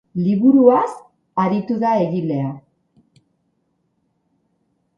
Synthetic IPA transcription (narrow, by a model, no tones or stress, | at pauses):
liβuɾuas | aɾit̪uðae̞ɣile̞a